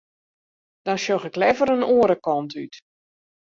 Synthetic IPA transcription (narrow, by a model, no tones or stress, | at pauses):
d̥ɔnʃoxɪklɛvəɾənoːəɾəkɔntʰyt